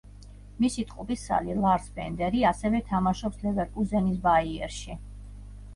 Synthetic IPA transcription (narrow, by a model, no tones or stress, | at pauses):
misit̪ʼqʼupʼisːa̰lilˠaɾsbɛ̰nd̪ɛɾiasɛvɛt̪ʰamaʃɔpslɛvɛɾkʼuzɛnisbaiɛ̰ɾʃi